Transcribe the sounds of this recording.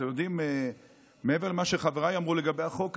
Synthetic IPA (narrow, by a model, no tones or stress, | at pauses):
ejod̪ime | mee̞veʁlemaʃeχaveʁajamʁuleɡabejaχo̞k